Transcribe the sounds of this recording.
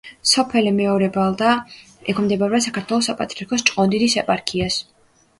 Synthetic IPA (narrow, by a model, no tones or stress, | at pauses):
sɔpʰɛlɛmɛɔɾɛbalˠd̪a | ɛkʰmd̪ɛbaɾasakaɾt̪ʰwɛlˠɔsːapʼat̪ʼɾiaɾkʰɔst͡ʃʼqʼɔnd̪id̪isɛpʼaɾkʰias